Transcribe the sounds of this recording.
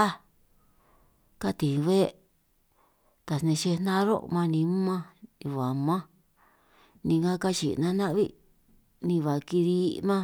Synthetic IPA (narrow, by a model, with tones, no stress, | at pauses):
a˦ | ka˦t̪ĩ˨˧βe˦ | t̪a˨snẽ˧ʃe˧nã˦ɾo̰˦˧mã˧nĩ˧˦mã˦ĩ˧βa˨mã˦ | nĩ˧ŋã˦ka˦t͡ʃḭ˨nã˧˦nã˦ʔβḭ˦ | nĩ˧βa˨ki˧ði˧mã˦